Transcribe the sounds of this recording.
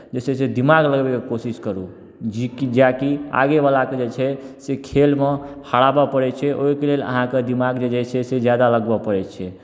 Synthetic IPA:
d͡ʒesɛsed̪imaɡləɡbekekosiskəɾu | d͡ʒikd͡ʒakia̰ɡeβalaked͡ʒet͡ʃʰɛsekʰelmehəɽabɔpəɾɛt͡ʃʰɛʔoikelelə̰ɦãked̪imaɡd͡ʒed͡ʒɛt͡ʃʰɛsed͡ʒjad̪aləɡbɔpəɾɛt͡ʃʰɛ

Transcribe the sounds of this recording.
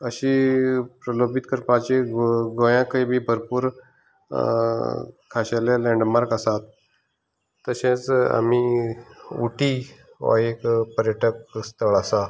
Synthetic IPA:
əɕipɾəlobit̪kəɾpãt͡ɕeɡɡojãkəibʱiːbʱəɾpuːɾ | kʰaɕalalɛ̃ɳɖmaɾkasat̪ | əɕẽt͡sa̰mi | uʈʰi | ʋa̰ekpəɾjəʈʰəkst̪əɭasa

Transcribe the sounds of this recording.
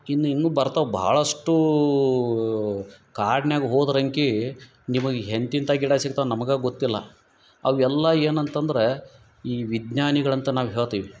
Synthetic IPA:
inːuinːuːbɐɾt̪aʋbʱa̰ːɭɐʂʈu | kaːɖɳjaːɡɦoːd̪ɐɾɐŋki | nimɐɡeɦent̪int̪aɡiɽasikt̪anɐmɐɡaːɡot̪ːilːɐ̰ | ɐʋɛlːɐeːnɐnt̪ɐnd̪ɐɾe̞ | iːʋid̪ɲaːniɡɐɭɐnt̪ɐnaːʋɦeːɭt̪iːʋi

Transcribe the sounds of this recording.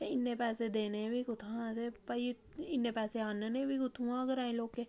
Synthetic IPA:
eɪnːẽːpɛːsed̪eːneːbikʊt̪ʰãt̪epai | ɪnːẽːpɛːseaːnenẽbiːkʊt̪ʰũãːkəɾaːẽːloːkːeː

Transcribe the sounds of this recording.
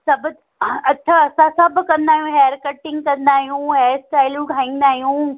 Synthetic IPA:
sɐbʱt̪ | ɐt͡ɕʰaɐsãsãbɪkɐ̃nd̪aːɦjũɦeːɾkɐʈɪ̃ŋɡkɐ̃nd̪aːɦijũːɦeːɾsʈaːɪlũɡʱaːĩn̆d̪aːɦijũː

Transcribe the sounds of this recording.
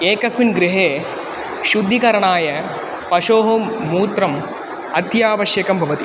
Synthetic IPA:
eːkɐsminɡɾɪɦeː | ʃud̪ʱːikɐɾɐɳaːjɐ | pɐʂoːɦoːmːuːt̪ɾɐm | ɐt̪jaːʋɐʃjɐkɐmbʱɐʋɐt̪i

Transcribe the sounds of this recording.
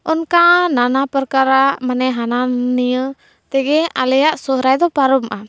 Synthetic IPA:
ʔɔnkananapəɾkaɾamanɛɦananːijə | t̪ɛɡɛalɛjaʔsɔhɾajd̪ɔpaɾɔmʔa

